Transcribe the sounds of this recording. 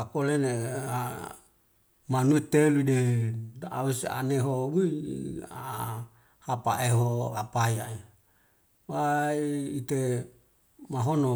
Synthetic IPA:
akolenea | manuet̪eludedaʔa̰wesa̰neɦowu | a̰ | hapa̰eɦoapajae | waiːt̪e | maɦono

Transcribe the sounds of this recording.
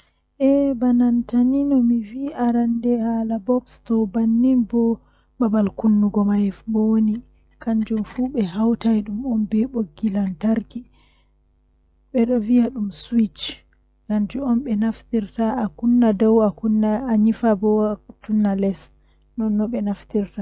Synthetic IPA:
ʔɛbanantaninɔmiviʔaɾandɛhalabɔbstɔbanːinbɔ | babalkunːuɡɔmajɛfbɔni | kʰand͡ʒumfuɓɛɦawtajɗumɔnbɛɓoɡːilantaɾki | ɓɛɗɔvijaɗumswit͡ʃ | kand͡ʒuɔnɓɛnaftiɾtaakunːadɔwakunːaaɲifabɔtunːalɛs | nɔnːɔɓɛnaftiɾta

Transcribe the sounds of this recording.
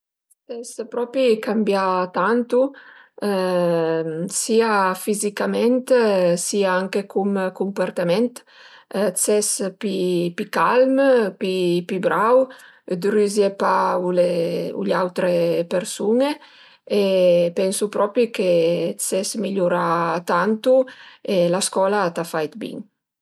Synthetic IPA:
sɛspɾɔpikambjat̪ant̪u | siafizikamɛnt̪siaaŋkekumkumpaɾt̪amɛnt̪ | t͡sɛspipikalmpipibɾaw | d̪ɾyzjepauleṵʎawt̪ɾepeɾsune | epɛnsupɾɔpɾiket͡sɛsmiʎuɾat̪ant̪uelaskɔːlat̪afajt̪bḭŋ

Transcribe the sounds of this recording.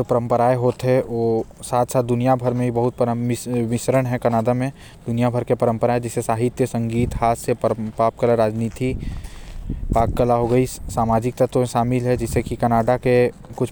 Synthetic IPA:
opɐɾə̃mpəɾaːeɦoːt̪ɦɛoːsaːt̪ʰsaːt̪̚d̪ʊnijabʱəɾmẽbibɐɦʊt̪̚pəɾəʋɪʃɾəɽ̃ɦɛ̃kɐnaːd̪amẽ | d̪̥ʊnijabʱəɾkepɐɾə̃mpəɾaːed͡ʒɪsesaːɦɪt̪jəsɐ̃ŋɡiːt̪ɦaːt̪seppaːp̚kəlaɾaːd͡ʒniːt̪ʰi | paːkkəlaɦoɡɐisaːmaːd͡ʒɪk̚t̪ɐt̪õʃaːmɪlɦɛd͡ʒɪsekikənaːɖake | kʊt͡ʃʰ

